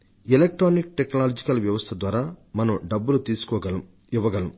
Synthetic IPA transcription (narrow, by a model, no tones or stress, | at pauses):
elek̚ʈɾoːnik̚ʈeknaːlod͡ʒikɐlʋjɐʋɐst̪ʰɐd̪ʋaːɾaːmɐnɐmɖɐbːulut̪iːsu̥kɔːɐ | iʋːɐɡɐlɐm